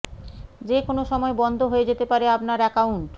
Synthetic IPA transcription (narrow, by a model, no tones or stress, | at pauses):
d͡ʑekonoʃɔmɔebɔnd̪ʱoɦoed͡ʑet̪epaɾeap̚naɾɛkauɳʈ